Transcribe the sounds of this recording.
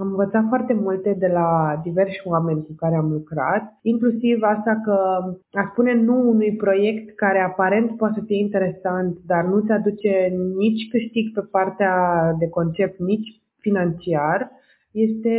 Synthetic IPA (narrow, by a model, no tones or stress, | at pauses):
amɨnvət̪sat̪foart̪e̞mult̪e̞d̪e̞lad̪ive̞rʃʲoame̞nʲkukaɾeamlukɾa̰t̪̚iŋklusivast̪akəaspune̞nuːnujpɾo̞je̞kt̪kaɾe̞apaɾe̞nt̪poat̪esəfije̞int̪e̞ɾe̞sant̪d̪arnut̪sead̪ut͡ʃe̞nit͡ʃʲkɨʃt̪iɡpe̞part̪ead̪e̞ko̞nt͡ʃe̞p̚t̪nit͡ʃʲ | finant͡ʃiar | je̞st̪e̞